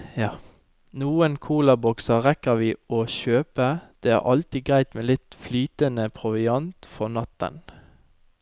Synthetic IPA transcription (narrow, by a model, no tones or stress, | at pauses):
ɑ | nuːənkʰuːlɑbɔksəʁɛkəʋiːɔʃøːpəd̪̥eːæ̰ːʁʔɑlt̪iːɡʁæɪt̪meːlɪt̪flyːt̪ənəpʰʁʊʋɪɑnt̪fɔʁnɑt̪ːə̰n